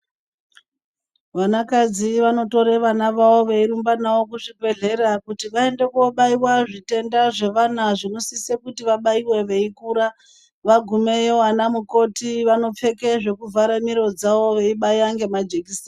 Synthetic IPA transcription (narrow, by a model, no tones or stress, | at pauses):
ʋanakad͡ziʋano̞to̞ɾe̞ʋanaʋawo̞ʋeiɾumbanawo̞kuʐibʱe̞ɮe̞ɾakutiʋae̞nde̞kuoɓaiwaʐite̞ndaʐe̞ʋanaʐino̞sisekutiʋaɓaiwe̞ʋe̞ikuːɾa | ʋaɡʱume̞jeanamuko̞tiʋano̞p͡fe̞keʐe̞kuvʱaɾamiɾo̞d͡zawo̞ʋe̞iɓajaŋɡe̞mad͡ʒekis